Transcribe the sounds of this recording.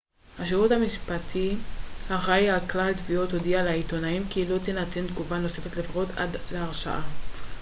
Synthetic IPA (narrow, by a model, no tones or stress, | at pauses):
haʃeut̪hamiʃpat̪ʰihaʁajaklalt̪vio̞t̪hodialaito̞naimkilo̞t̪enat̪end̪ɡuvano̞se̞fet̪lefʁot̪a̰d̪leaʁʃa̰ʔa